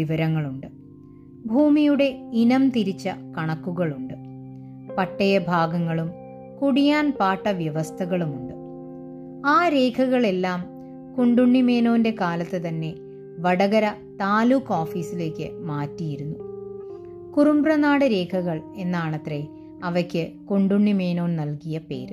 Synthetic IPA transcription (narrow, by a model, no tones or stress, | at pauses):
iʋɐɾɐŋːɐɭuɳɖɨ | bʱuːmijuɽe̞inɐmt̪iɾit͡ɕːɐkɐɳɐkːuɣɐɭuɳɖɨ | pɐʈːɐjɐbʱaːɡɐŋːɐɭum | kuɽijaːnpaːʈːɐʋjɐʋɐst̪ʰɐɣɐɭumuɳɖɨ | aːɾe̞ːkʰɐɣɐɭe̞lːaːm | koɳɖuɳːime̞ːnoːnde̞kaːlɐt̪ːɨt̪ɐnːe̞ | ʋɐɽɐɣɐɾɐ | t̪aːluːkːoːfiːsile̞ːkʲːɨ̰maːtːijiɾunːu | kurumbrɐnaːɽɨɾe̞ːkʰɐɣɐɭe̞nːaːɳɐt̪re | ɐʋɐkʲːɨkoɳɖuɳːime̞ːno̞ːnnɐlkijɐpe̞̰ːɾɨ